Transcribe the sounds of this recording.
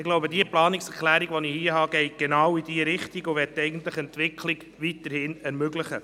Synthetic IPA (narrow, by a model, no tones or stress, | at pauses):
ɪɡloʊbədiəplɑːnɪksɛɾklæːɾiɡʋɔnihiəɦɑːɡ̥ɛɪɡ̥enɑwid̥iəɾɪχtiɡʊʋɛttːɛɪɡən̩tləχɛntʋɪkʰli̥ | ʋit̪əɾhɪnɛɾmøɡlɪχə